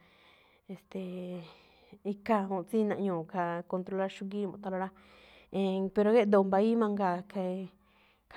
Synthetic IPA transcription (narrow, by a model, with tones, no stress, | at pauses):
e˨st̪e˨ | i˧ka˧õ˧˨t͡si˦˧nã˧ʔɲũː˨ka˧ko˧nt̪ɾo˧la˦˧ɾʃũ˧ɡi˦mõ̰˧˨t̪a˧la˧ɾa˦ | ẽ˧pe˧ɾo˧ɣe˦d̪o˧˨mba˧i˦mã˧ŋɡa˧˨ke˧ | k